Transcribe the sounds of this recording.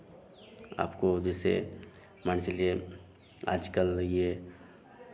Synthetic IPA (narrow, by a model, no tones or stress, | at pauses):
a̰ːpkod͡ʒɛːsḛ | mant͡ʃəlie | a̰ːd͡ʒkəlje